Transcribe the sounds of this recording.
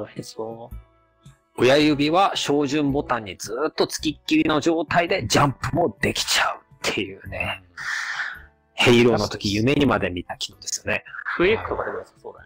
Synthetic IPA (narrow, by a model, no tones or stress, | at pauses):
o̞jajɯ̟bʲiβaɕo̞ːʑɨ̃mbo̞t̪ãɲ̟ːid͡zɨːt̪ːo̞t͡sɨ̥kʲikʲːiɾʲino̞ʑo̞ːt̪aid̪e̞d͡ʑãmpɯ̟mo̞d̪e̞kʲi̥t͡ɕaɯ̟t̪ʰːe̞jɯ̟ːne̞ | he̞iɾo̞ːno̞t̪o̞kʲijɯ̟me̞ɲ̟imad̪e̞mʲit̪akʲi̥no̞d̪e̞sɨ̥jo̞neɯek̪ːokad̪e | o